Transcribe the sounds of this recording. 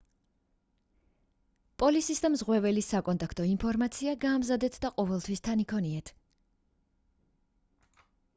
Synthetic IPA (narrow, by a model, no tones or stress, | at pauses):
pʼɔlisisd̪amzʁwɛvɛlisakʼɔnt̪ʼakʰt̪ʼɔimpʰɔɾmat̪sʰiaɡaːmzad̪ɛt̪ʰd̪aqʼɔvɛlˠt̪ʰwist̪ʰanikʰɔniɛt̪ʰ